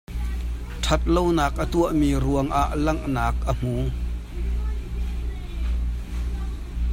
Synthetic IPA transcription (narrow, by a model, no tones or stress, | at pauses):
tʰɐt̪̚lownaːk̚ʔət̪uəʔmiːɾuəŋʔaʔlɐŋʔnaːk̚ʔəm̥uː